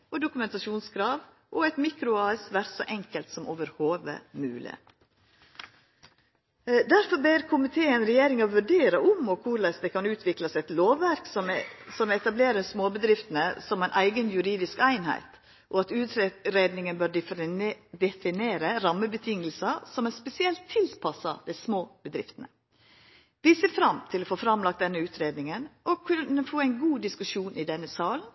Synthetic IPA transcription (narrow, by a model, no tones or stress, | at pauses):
ɔd̪ʊkʉmɛnt̪ɑʂuːnskʰɾɑːʋ | ʔɔɛɪt̪miːkɾʊɑːsʋæɾsɔ̰ʔɛŋkəlt̪sɔmoːʋəɾhoːʋə̰mʉːlɪ̰ | d̪æɾfɔɾbeːɾkʰʊmɪt̪ʰeːənɾɛjeːɾɪŋɑʋʉɖeːɾəʊmɔkʰʊɾlæɪsd̪ɛkɑnʉːt̪ʰʋɪklɑsɛt̪loːʋːæɾksɔmsɔmɛt̪ɑbleːɾəɾsmoːbəd̪ɾɪft̪ənəsɔmæɪnʔæɪɡənjʉɾiːd̪ɪskæɪnhæ̰ɪt̪ | ʔɔɑt̪ʉːt̪ɾeːd̪nɪŋənbøːɾ | d̪ɛfɪneːɾəɾɑmːəbət̪ʰɪŋəlsɑsɔmæspɛsɪɛlt̪ʰːɪlpʰɑsɑ̰d̪æɪsmoːbəd̪ɾɪft̪ənə̰ | d̪iseːfɾɑmt̪ʰɪlɔfoːfɾɑmlɑk̚t̪d̪ɛnːəʉːt̪ʰɾeːd̪nɪŋənʔɔkʰʉnːəfoːæɪnɡuːd̪ɪskʉʂuːnʔɪd̪ɛnːəsɑːln